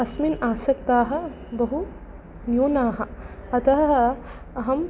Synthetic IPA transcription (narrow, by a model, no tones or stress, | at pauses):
ɐsminaːsɐk̚t̪aːɦɐ̆ | bɐɦu | njuːnaːɦɐ̆ɐt̪ɐɦɐɦɐ̆ | ɐɦɐm